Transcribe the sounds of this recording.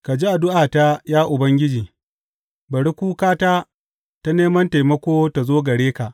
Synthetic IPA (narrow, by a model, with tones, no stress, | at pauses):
ka˨d͡ʒi˦ʔa˨dʊ˦ʔaː˨ta˦jaː˦ʔʊ˨bɐ˦ŋɡʲɪ˦d͡ʒiː˨ | bɐ˨ɽi˦kʷuː˦kaː˦ta˦ | ta˦neː˦mɐ˦nta˨jmɐ˦kʷoː˦ta˨zoː˦ɡɐ˨ɽeː˦ka˨ʔ